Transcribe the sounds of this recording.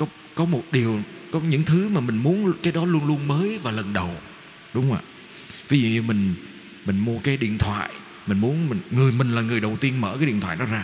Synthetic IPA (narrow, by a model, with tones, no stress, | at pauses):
kɔ˨˦ | kɔ˨˦mo˨˩t̚ɗi˨˩əwkɔ˨˦ɲɨ̰˧˥ŋt̪ʰɨ˨˦maː˨˩mï˨˩ŋ̟mu˨˦ənkaː˨˦jɗɔ˨˦lu˧ənlu˧ənməː˨˦jvaː˨˩lə˨˩nɗə˨˩w | ɗʊ˨˦ŋ͡mə̰ː˧˨˩ | vi˨˦zṵ˧˨ɲɨ˧mï˨˩ŋ̟ | mï˨˩ŋ̟mu˧əkaː˨˦jɗḭ˧˨ənt̪ʰwa̰ː˧˨j | mï˨˩ŋ̟mu˨˦nmi˨˩ŋŋɨ˨˩əjmï˨˩ŋ̟laː˨˩ŋɨ˨˩əjɗə˨˩wt̪i˧ənməː˧˩kaː˨˦ɗḭ˧˨t̪ʰw̰aː˧˨jɗɔ˨˦zaː˧